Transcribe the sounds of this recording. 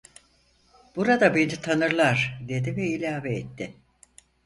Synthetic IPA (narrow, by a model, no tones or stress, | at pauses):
b̥uɾad̪abed̪it̪ʰanɯɾlˠaɾd̪e̞d̪ivɛilʲaːveːt̪ːɪ